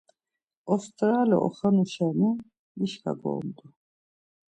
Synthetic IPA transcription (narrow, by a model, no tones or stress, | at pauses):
ɔst̪ʼɾaːlɔ̰ʔɔ̰χanuʃɛnu | iʃka̰ɡɔ̰ːmd̪u